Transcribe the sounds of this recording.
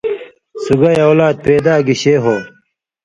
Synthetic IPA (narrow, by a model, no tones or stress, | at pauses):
suɡɐjawlaːd̪̚peːd̪aːɡiɕeːɦoː